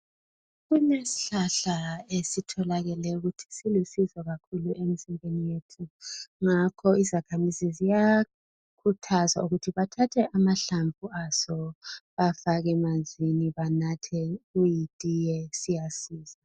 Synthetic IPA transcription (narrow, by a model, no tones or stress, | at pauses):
ɣunesi̥ɬaɬaesitʰɔlaɣɛlɛuɣutʰi̥silusizɔɣakʰuluʔem̩siŋenijetʰuŋakʰɔizakʰamizizija | kʰutʰaza̰uɣutʰiβatʰatʰɛʔamaɬaɱvʱuasɔβafaɣɛmanzʱiniβanatʰɛɣujitʼijɛsijasiːz̥a